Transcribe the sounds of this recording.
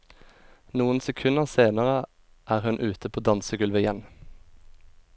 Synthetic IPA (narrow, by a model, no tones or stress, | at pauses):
nuːənsɛkʰʉnəʁseːnəʁə | ʔæːʁhʉnʔʉːt̪əpʰoːd̪ɑnsəɡʉlʋəɪjɛn